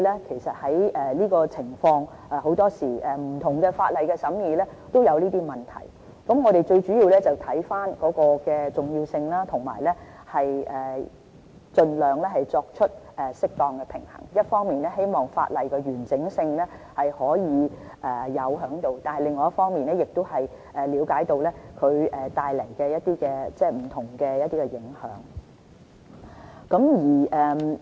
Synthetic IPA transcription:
lɛː˥kʰe˨˩jsɐ˨t̚hɐ˨˥jɛː˨liː˥kɔː˧t͡sʰɪ˨˩ŋfɔː˧ŋ | ʔaː˨ɦo˨˥wt̪ɔː˥siː˨˩ʔɛ˨m̩˨˩t̪ʰʊ˨˩ŋkɛː˧faː˧t̚lɐ˨jkɛ˧sɐ˨˥mjiː˨˧lɛː˥t̪o˥wjɐ˨˧wliː˥t̪iː˥mɐ˨nt̪ʰɐ̰˨˩j | kɐ˨˥mŋɔː˨˧ɾe˨jt͡ʃɵ˧ɥt͡ʃyː˨˥jiː˧wlɛː˥t͡sɐ˨˩wt̪ʰɐ˨˥jfaː˥nkɔː˨˥kɔː˧kɛː˧t͡sʊ˨ŋjiː˧wsɪ˧ŋlaː˥t̪ʰʊ˨˩ŋma̰ː˨˩jlɛ˥ | hɐ˨jʔɛː˨˩ | t͡ʃɵ˧nlœː˨ŋlɛː˥ɦɐ˨jt͡sɔː˧k̚t͡ʃʰɵ˥t̚ʔɛː˨sɪ˥k̚t̪ɔː˧ŋkɛː˧pʰɪ˨˩ŋhɐ̰˨˩ŋjɐ˥t̚fɔː˥ŋmiː˨nlɛː˥ɦe˥jmɔː˨˩ŋfa̰ː˧t̚lɐ˨jkɔː˧ɥyː˨˩nt͡sɪ˨˥ŋsɪ˧ŋlɛ˥hɐ˨jhɔː˨˥jiː˨˧ʔɛː˨˩jɐ˨˧wɦœː˨˥ŋt̪o˨˧wt̪aː˨nhɐ˨jlɪ˨ŋːɔː˧jɐ˥tfɔː˥ŋmiː˨nɛː˥jɪ˨k̚t̪o˥whɐ˨j | ʔɛː˨liː˨˧wkaː˨˥jt̪o˧wlɛ˥kʰɵ˨˧ɥɛː˨t̪aː˨˧jlɐ˨˩jkɛː˧jɐ˥t̚t̪iː˥kɛː˧t͡sɛː˥˩m̩˨˩t̪ʰʊ˨˩ŋkɛː˧jɐ˥t̪iː˥kɛ˧jɪ˨˥ŋhœ̰ː˨˥ŋ | kɐ˨˧˥mjiː˨˩ʔɛː˨˧m

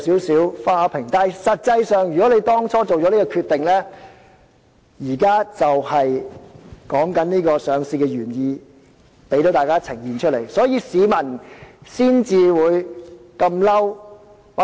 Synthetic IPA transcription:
siː˨˥wsiː˨˥wfaː˥˧pʰɪ˨˩ŋt̪aː˨jsɐ˨t̚t͡sɐ˧jsœː˨ŋjyː˨kɔ˨˥le˧jt̪ɔː˥ŋt͡sʰɔː˥t͡so˨wt͡ʃɔ˨˥niː˥kɔː˧kʰyː˧t̪ːɪ˨ŋlɛː˥ | jiː˨˩kaː˥t͡sɐ˨whɐ˨j | kɔː˨˥ŋkɐ˨˦˥nniː˥kɔː˧sœː˨˧ŋsiː˧kɛ˧jyː˨˩njiː˧ | pe˨˥jt̪o˨˥wt̪aː˨jkaː˥t͡sʰɪ˨˩ŋjiː˨nt͡ʃʰɵ˥t̚le˨˩jsɔː˨˥jiː˧siː˨˧mɐ˨˩nsiː˥nt͡siː˨wuː˨˧jkɐ˧mlɐ˥w | wa˨

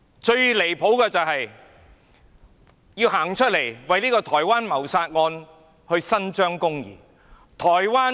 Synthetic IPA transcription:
t͡ʃɵ˧ɥle˨˩jpʰo˨˥wkɛː˧t͡sɐ˨wɦɐ˨j | jiː˧wɦaː˨˩ŋt͡ʃʰɵ˥t̚le˨˩jwɐ˨jliː˥kɔː˧t̪ʰɔː˨˩jwaː˥nmɐ˨˩wsaː˧t̚ŋɔː˧n | hɵ˧sɐ˥nt͡ʃœː˥ŋkʊ˥ŋjḭː˨˩ | t̪ʰɔː˨˩jwaː˥

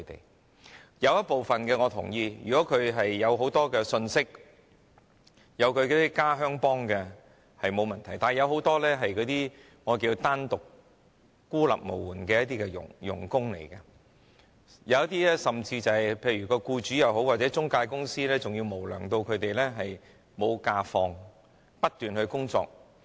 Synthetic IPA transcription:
kʰɵ˨˧t̪ḛ˨j | jɐ˨˧wjɐ˥t̚po˨wfɐ˨nkɛː˧ŋɔː˨˧t̪ʰʊ̰˨˩ŋjiː˧jy̰ː˨kɔː˨˥kʰɵ˨˧ɥɦɐ˨jːɐ˨˧wɦo˨˥wt̪ɔː˥kɛː˧sɵ˧nsɪ˥k̚ | jɐ˨˧wkʰɵ˨˧ɥkɔ˨˧˥t̪i˥kaː˥ɦœː˥ŋpɔː˥ŋkɛ˧ | hɐ˨jmo˨˧wmɐ˨nt̪ʰɐ˨˩jt̪aː˨n˩jɐ˨˧wɦo˨˥wt̪ɔː˥lɛː˥ɦɐ˨jkɔː˨˥t̪iː˥ | ŋɔː˨˧kiː˧wt̪aː˥nt̪ʊ˨kː | uː˥lɐ̰˨p̚mo˨˩wuː˨˩nkɛː˧jɐ˥t̪̬̚iː˥kɛ˧jʊ̰˨˩ŋjʊ̰˨˩ŋkʊ˥ŋlḛ˨˩jkɐ˧ | jɐ˨˧wjɐ˥t̪̚iː˥lɛː˥sɐ˨mt͡siː˧t͡sɐ˨hɐ˨jpʰe˧jɥyː˨˩kɔː˧kuː˧t͡ʃyː˨˥jɐ˨˧wɦo˨˥waː˨˩t̚t͡sɛː˨˥t͡sʊ˥ŋkaː˧jkʊ˥ŋsiː˥lɛː˥t͡sʊ˨ŋjiː˧wmo˨˩wlœː˨˩ŋt̪o˧wkʰɵ˨˧ɥt̪e˨jlɛː˥ɦɐ˨j | mo˨˧wkaː˧fɔː˧ŋ | pɐ˥t̚t̪yː˨˩nhɵ˧ɥkʊ˥ŋt͡sɔ̰ː˧k̚

